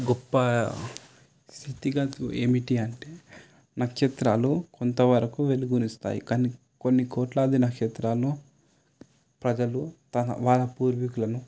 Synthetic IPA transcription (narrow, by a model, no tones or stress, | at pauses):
ɡɔpːɐ | st̪ʰit̪iɡaːe̞ːmiʈiɐɳʈe̞ː | nɐkʂɐt̪ɾaːlukont̪ɐʋɐɾɐkuʋe̞luɡunist̪a̰ːjḭkaːni | ko̞nːikoːʈlɐːd̪inɐkʂɛt̪ɾaːluː | pɾɐd͡ʒɐlut̪ɐnɐ̰ʋaːlɐpuːɾʋikulɐnu